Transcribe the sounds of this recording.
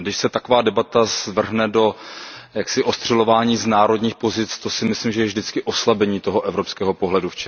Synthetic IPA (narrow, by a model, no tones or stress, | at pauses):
ɡdɪʃsɛt̪akovaːdɛbat̪azvr̩ɦnɛdo̞jaksɪʔost̪r̥ɛlo̞vaːɲiːznaːɾo̞dɲiːxpo̞zɪt͡st̪o̞sɪmɪslimʒɛjɛvʒdɪt͡skɪʔo̞slabɛɲiːt̪o̞ɦo̞ʔɛvɾo̞pskɛːɦo̞po̞ɦlɛduft͡ʃɛ